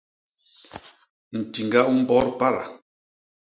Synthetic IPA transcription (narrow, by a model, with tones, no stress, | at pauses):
n̩˨ti˨ŋɡa˦u˦m̩˦bɔ˦ɾpa˦ɾa̰˨